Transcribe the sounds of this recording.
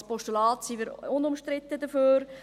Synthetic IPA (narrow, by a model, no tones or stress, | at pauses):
spɔʃtulɑːtsiʋɪɾʊnʊmʃtɾɪtːədəføːɾ